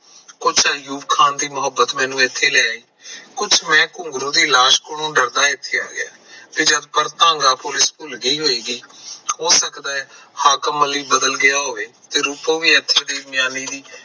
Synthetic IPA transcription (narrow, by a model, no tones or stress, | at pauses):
kʊt͡ʃʰajuːʋkʰaːnd̪iːmʊɦəbːət̪mɛ̃ːnũːɪt̪ʰːeːlɛːiːkʊt͡ʃʰmɛ̃ːkʊ̃ŋɡɾõːd̪iːlaːʃkonõːɖəɾd̪aːɪt̪ʰːeːa̰ːɡɪja̰ː | k̪eːd͡ʒəd̪pəɾt̪ãːŋɡaːpʊlɪspʊlɡəiːɦoːiːɡiːhoːsəkd̪aːɛːhaːkəməliːbəd̪əlɡɪjaːɦoːʋeːt̪eːɾuːpõːʋiːɛt̪ʰːeːd̪eːmɪjaːniːd̪iː